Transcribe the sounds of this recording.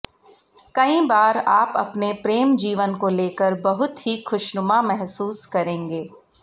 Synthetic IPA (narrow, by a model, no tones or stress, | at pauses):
kɐĩbaːɾaːpɐ̰pnepɾeːmd͡ʒiːʋənkoleːkəɾbɐɦʊt̪ɦixʊʃnʊmamɛɦsuːskɐɾẽːŋɡeː